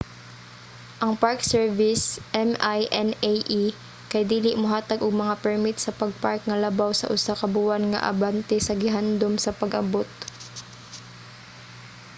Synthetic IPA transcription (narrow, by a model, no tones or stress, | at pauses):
ʔɐŋpaɹksɛɹvɪsʔɛmajʔɛnejʔi | kɐjd̪iːlɪʔmʊɦaːt̪ɐɡʊɡmɐŋapɛɹmit̪̚sɐpɐɡ̚paɹk̚nɐlɐbawsɐ̰ʔʊsakɐbuːɐnŋɐ̰ʔɐ̰bant̪ɛsɐɡɪɦand̪omsɐpɐɡʔɐbot̪̚